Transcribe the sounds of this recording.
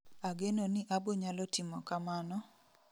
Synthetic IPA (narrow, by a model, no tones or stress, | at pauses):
aɡenonɪʔaboɲalɔtɪmɔkamanɔ